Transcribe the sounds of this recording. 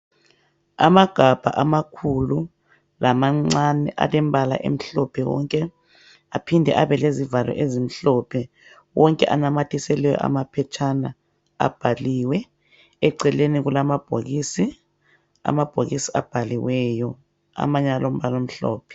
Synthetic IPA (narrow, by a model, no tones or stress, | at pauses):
a̰maɡ̥ʱab̥ʱa̰ʔamakʰulu | lamaŋ͡ǀanɛʔa̰lɛmbʱala̰ʔḛm̩ɬɔpʰɛwɔ̰ŋkʼɛ | apʰindʱɛ̰ʔaβɛlezivalʔɔ̰ʔezim̩ɬɔpʰɛ | wɔŋkʼɛʔanamatʰisɛlɛjɔ̰ʔa̰mapʰɛt͡ʃʰana | a̰b̥ʱaliːwɛ | ɛǀɛleniɣulamab̥ʱoɣisi | a̰mab̥ʱoɣisia̰b̥ʱaliwɛjɔ | a̰maɲalom̩βalom̩ɬɔ̰ːpʰɛ̥